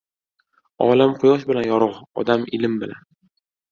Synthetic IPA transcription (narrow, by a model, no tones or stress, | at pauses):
ɒlamqʰʊjɒʃ̬bɪlanjɒɾɒʁɒ̰d̪amɪlɪmbɪla̰n